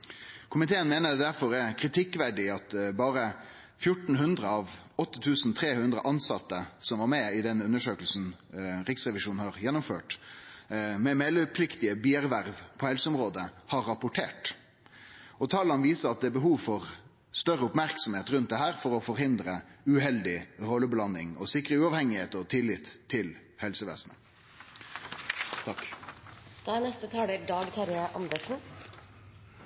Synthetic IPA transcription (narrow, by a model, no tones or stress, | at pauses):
kʰʊmɪt̪ʰeːənmeːnədd̪æɾfɔɾæɾkʰɾɪt̪ʰɪkːʋæɖɪɑt̪bɑːɾə | fjʊʈn̩ɦʉnd̪ɾəɑʋ | ɔt̪ːət̪ʰʉːsnt̪ʰɾeːhʉnd̪ɾə̰ʔɑnsɑt̪ːəsɔmʋɑɾmɛɪd̪ɛnʉnːəʂøːkəlsn̩ɾɪksʁɛʋɪʂuːnhɑɾjɛnːʊmfø̰ːʈ | mɛmɛləpʰlɪkt̪ɪəbiːæɾʋæɾʋpʰɔɛlsəʊmɾoːd̪əhɑɾːɑpʊʈʰeːʈ | ɔt̪ʰɑːlɑnʋiːsəɾɑt̪̚d̪ɛːbəɦuːʋfɔɾ | st̪œɾəʊpmæɾksɔmheːt̪ɾʉnt̪d̪ɛɦæːɾfɔɾɔfɔɾhɪnd̪ɾəʉɦɛld̪ɪhoːləblɑnːɪŋɔ̰sɪkɾəʉːɑʋhɛŋːɪheːt̪əɔt̪ʰɪlːɪt̪ʰːɪl | hɛlsəʋḛːsnə̰ | t̪ʰɑk | d̪̥ɑnɛst̪ət̪ʰɑːɖeɖɑːɡt̪ʰæɾəʔɑnd̪əʂn̩